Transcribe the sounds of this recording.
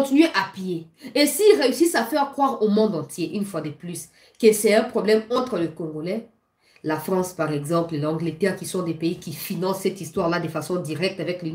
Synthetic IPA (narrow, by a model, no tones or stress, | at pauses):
ɔ̃t̪inɥeʔapje | esiːlʁeysisafɛʁkχwaʁomɔ̃d̪ɑ̃t̪jeʔynfwad̪əplys | kəsɛɛ̃pχɔblɛmɑ̃t̪χələkɔ̃ɡolɛ | lafχɑ̃spaʁɛɡzɑ̃plelɑ̃ɡlət̪ɛʁkisɔ̃d̪ɛpeikifinɑ̃sːɛt̪ist̪waʁlad̪əfasɔ̃d̪iʁɛk̚t̪avɛkly